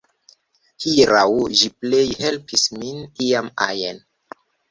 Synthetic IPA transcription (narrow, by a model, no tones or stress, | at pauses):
hiɾawʒiplejhelpisminiama̰jen